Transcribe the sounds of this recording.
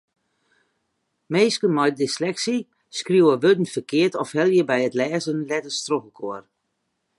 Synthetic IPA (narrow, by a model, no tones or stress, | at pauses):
meːskənmɔjdɪslɛksi | skrjuwəʋødən̩fərkɪətɔfhɛlˠjəbɛjətlɛːzənlɛtəstroɣəkʰoər